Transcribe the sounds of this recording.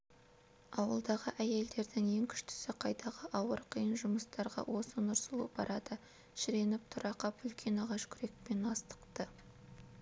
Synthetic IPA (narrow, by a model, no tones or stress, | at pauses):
ɑwə̰lˠd̪ɑʁəʔæje̞ld̪e̞ɾd̪ɪŋe̞ŋkʲʰʏ̥ʃt̪ɪ̥sɪqʰɑjt̪ʰɑʁəʔɑwəɾqʰijənʒʊməst̪ɑɾʁɑ̰wʔo̞sənʊɾsəlˠṵb̥ɑɾɑd̪ə | ʃɪɾe̞nɪp̚t̪ʰʊɾɑqɑpʏlkʲʰe̞nɑʁɑʃkʲʰʏɾe̞k̚pe̞nɑst̪ə̥qt̪ə